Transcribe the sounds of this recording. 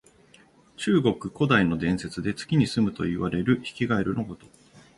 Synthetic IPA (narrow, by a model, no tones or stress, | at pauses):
t͡ɕɨːɡo̞kɯ̟ko̞d̪aino̞d̪ẽ̞ɰ̃se̞t͡sɨd̪e̞t͡sɨ̥kʲiɲ̟isɨmɯ̟t̪o̞̰iβaɾe̞ɾɯ̟çi̥kʲiɡaeɾɯ̟noko̞t̪o̞̥